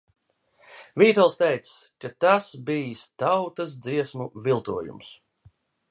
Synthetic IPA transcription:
viːt̪ɔlˠst̪ɛjt̪sskat̪asbiːst̪awt̪as̬d̪ziɛsmuvilˠt̪uɔjṵms

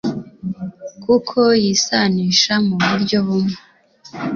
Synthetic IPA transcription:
kukʰo̞jisaniːʃamuβuɾɟo̞βumŋe

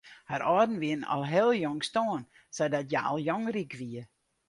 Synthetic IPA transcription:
haɾʔɔdn̩ʋiənɔ̰lˠɦɛlˠjɔŋstoːən | sɛdɔtjaɔ̰lˠjɔŋrikʋiə

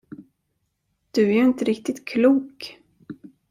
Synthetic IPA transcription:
d̪̥ɵæɾɪnt̪əɾɪk̚t̪ɪt̪kʰluːk

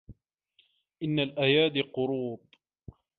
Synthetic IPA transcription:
ʔɪnːalʔajaːd̪ɪqʊɾuːb

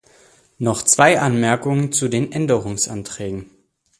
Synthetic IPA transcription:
nɔχt͡sv̥aɪʔanmɛɐkʊŋənt͡sudeːnʔɛndəʁʊŋsʔa̰ntʁ̥ɛːɡŋ̩

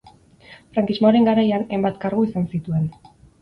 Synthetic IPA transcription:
fɾaŋkizmoaɾe̞ŋɡaɾajanejmbat̪kaɾɣuisansit̪ue̞n

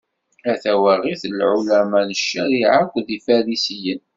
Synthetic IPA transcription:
æθæwæʁiθlʕulæmænəʃːæɾiʕakʷːðifæɾisijən

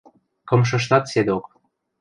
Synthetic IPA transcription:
kɤ̆mʃ̬ɤ̆ʃ̬nɑt̪sed̪ok

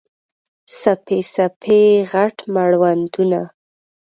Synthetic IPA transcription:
sapesapʰeɣaʈmaɽwand̪una

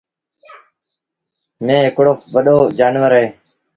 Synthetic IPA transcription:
mẽːɦɪkɽoːʋəɗoːd͡ʒaːnʋəɾɦẽː

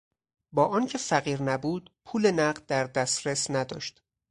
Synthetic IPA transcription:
bɒːʔɒːncʰe̞fæɣiːɾnæbuːd̪pʰuːlenæɢd̪̚d̪æɾd̪æsɾesnæd̪ɒ̰ːʃt̪

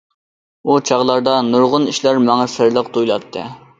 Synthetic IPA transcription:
ut͡ʃʰɑʁlˠɑɾd̪ɑnuɾʁʊniʃlæɾmæŋæsɪɾlˠəqt̪ʰujlˠɑt̪ʰːɨ̰

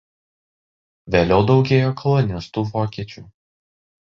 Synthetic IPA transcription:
ʋʲeːlʲɛʊd̪ɒʊɡʲeːjoːkʰɔlˠɔnʲɪst̪uːʋoːkʲiɛt͡ʃʲuː

